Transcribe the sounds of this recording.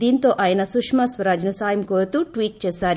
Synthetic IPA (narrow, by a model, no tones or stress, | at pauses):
d̪iːnt̪oːʔaːjɐnɐsukʂmasʋɐɾaːd͡ʒɐnusaːjɐmkoːɾt̪uːʈʋiːʈ̚t͡ʃeːsaːɾi